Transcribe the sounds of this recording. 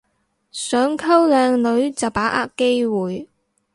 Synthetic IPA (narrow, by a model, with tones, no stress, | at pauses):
sœː˨˥ŋkʰɐ˥wlɛː˨˧ŋlɵ˨˧˥ɥt͡sɐ˨˩wpaː˨˥ʔa̰ː˥kːe˥jwuː˨j